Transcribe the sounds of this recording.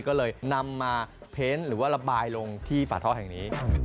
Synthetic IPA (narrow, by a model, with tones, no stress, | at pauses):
kɔː˥˩lɤː˧jna˧mːaː˧pʰeː˦˥nɾɯː˩˦waː˥˩ɾa˧baː˧jlo˧ŋt̪ʰiː˥˩fa̰ː˨˩t̪ʰɔː˥˩ɦɛ˨˩ŋniː˦˥